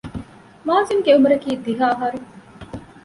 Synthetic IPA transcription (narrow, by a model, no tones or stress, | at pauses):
maːzimɡeumuɾɐkiːd̪iɦaːɦɐɾu